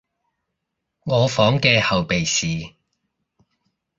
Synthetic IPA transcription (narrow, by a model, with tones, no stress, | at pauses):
ŋɔː˨˧fɔː˨˥ŋkɛː˧hɐ˨wpe˨jsiː˨